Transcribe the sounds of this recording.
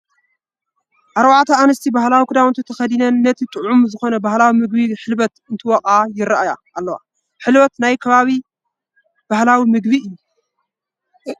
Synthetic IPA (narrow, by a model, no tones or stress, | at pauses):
ʔaɾbaʕt̪ʰɐanɨst̪ʰibahlawikʰud̪awɨnt̪ʰit̪ʰɐxɐd̪inɐnːɐt̪ʰit̪ʼɨʕʕumzɨxo̞nɐbahlawimɨɡ̚biħɨlbɐt̪ɨnt̪ʰiwɔqʼajɪɾaʔaja̰ʔːlːɐwa̰ | ħɨlbɐt̪najkʰɐβaβi | b̥ahlawimɨɡbiɨjːu